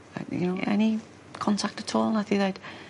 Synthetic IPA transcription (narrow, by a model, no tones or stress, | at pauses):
a̰jɨ̰noʊɛ̰ni | kʰɒ̃ntʰak̚tətʰɔːlˠaɪθĩðaɪt